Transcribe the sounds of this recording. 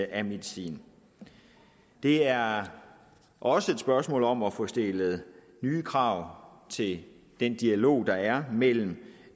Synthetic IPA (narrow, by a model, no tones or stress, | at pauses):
ʔæme̝ðˠisḭːn | d̥e̝æɐ | ʔɒ̽səe̝d̥sb̥ɶɐsmɔ̰ːlɒ̽mɒfɔsd̥e̝ləð̩ˠ | nyːkʰʁɑ̈ʊ̰t͡sʰe̝l | d̥end̥iælo̝̰ːd̥ɑ̈æɐmel̰m̩